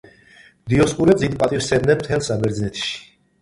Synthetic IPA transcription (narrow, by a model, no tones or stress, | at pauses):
md̪iɔsχʼuɾɛbzid̪̚pʼat̪ʼifsɛbnɛnmt̪ʰɛlsabɛɾd̪znɛt̪ʰʃi̥